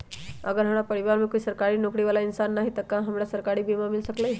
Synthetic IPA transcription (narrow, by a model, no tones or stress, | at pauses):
əɡəɾɦəmɽapəɾiʋaɾmẽkoisəɾkaɾiːnokɽiʋalainsanːaɦit̪əkãɦəmɽjasəɾkaɾibʱimamilsəklaj